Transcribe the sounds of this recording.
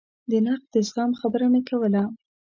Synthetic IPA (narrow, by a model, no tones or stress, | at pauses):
d̪ənaq̚d̪əsɣɑmxabəɾanəkʰawəla